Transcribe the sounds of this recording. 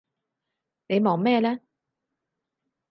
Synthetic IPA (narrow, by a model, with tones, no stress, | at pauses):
ne˨˧jmɔː˨˩ŋmɛː˥˧lɛː˥